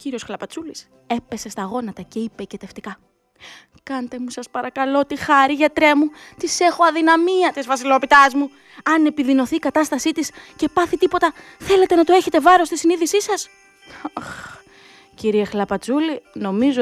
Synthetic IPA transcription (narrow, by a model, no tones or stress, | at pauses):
ciɾiosxlɐpɐt͡sulis | e̞pe̞se̞st̪ɐːɣo̞nɐt̪ɐce̞ipecet̪e̞ft̪ikɐ | kɐnt̪e̞musɐspɐɾɐkɐlo̞t̪ixɐɾiʝɐt̪ɾe̞mut̪ise̞xo̞ɐðinɐmiɐt̪izvɐsilo̞p̪it̪ɐzmu | ɐne̞piðino̞θiːkɐt̪ɐst̪ɐsit̪isce̞pɐθit̪ipo̞t̪ɐ | θele̞t̪e̞nɐt̪oe̞çe̞t̪e̞vɐɾo̞st̪isiniðisisɐs | ɐx | ciɾiexlɐpɐt͡sulino̞mizo